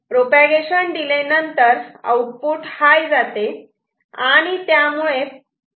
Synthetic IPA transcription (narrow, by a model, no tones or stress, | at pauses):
pɾopaɡeɕənd̪ilenənt̪əɾə̰wʈ̚puːʈhajd͡zat̪e | aaɽ̃it̪jamuɭe